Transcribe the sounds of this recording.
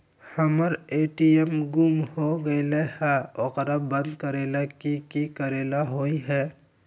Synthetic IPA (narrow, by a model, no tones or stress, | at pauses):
həməɾeːʈiemɡumhoɡəilehɛɔqɾabə̃nd̪kəɾeːlakikikəɾeːlaɦoiɦɛː